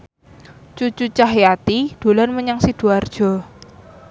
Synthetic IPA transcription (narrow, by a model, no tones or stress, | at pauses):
t͡ʃut͡ʃut͡ʃahjat̪id̪̥o̤lanməɲaŋsid̥uard̥ʒ̥ɔ̤